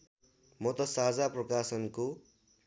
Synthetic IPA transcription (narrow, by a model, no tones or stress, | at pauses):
mʌt̪ʌsard͡zaprʌkasʌnko